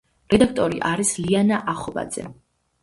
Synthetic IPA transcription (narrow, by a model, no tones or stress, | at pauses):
ɾɛd̪ak̚ʰt̪ʼɔɾiʔaɾislianaʔaχɔba̰d̪z̥ɛ̰